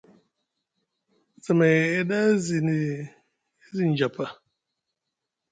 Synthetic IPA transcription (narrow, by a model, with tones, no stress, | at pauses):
t͡sə˨ma˨e˦da˦zi˨ni˨ | e˦zi˦˨n˨d͡ʒa˨pa˨